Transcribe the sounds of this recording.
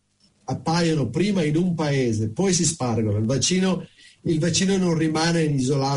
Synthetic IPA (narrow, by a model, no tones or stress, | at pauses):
apːaːjonopɾiːmainumpaeːzepɔjs̬isparɡonoilvat͡ʃiːnoilvat͡ʃːiːnononrimaːneinizolaː